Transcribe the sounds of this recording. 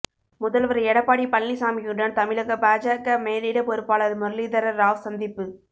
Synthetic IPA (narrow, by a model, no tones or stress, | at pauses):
mʊðɐlʋɐɾɐɛɽɐpːaːɽipɐlːisaːmijuɖɐnt̪ɐmɪɭɐɣɐbaːd͡ʒaːkɐmeːliɽɐpɔɾɯpːaːɭɐlmʊɾliðɐɾɐɾaːʋsɐnd̪ɪpːɯ